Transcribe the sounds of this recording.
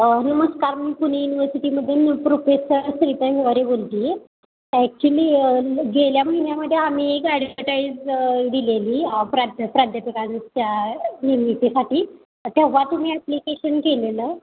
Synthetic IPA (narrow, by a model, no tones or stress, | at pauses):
nəməskaɾmiːpuñ̤ejuniʋəɾsiʈiːməd̪ʱːjenpɾofesəɾsɾit̪əjɡaɾebolt̪iː | æk̚t͡ɕuliːɡeljaməɦinjaməd̪ʱːjeam̤iekɛɽəʈaid͡zd̪ileliːpɾad̪ʱpɾad̪ʱjapikaɲt͡ɕjanimit̪isaʈiː | t̪eʋːat̪um̤iːæplikeɕənkelelə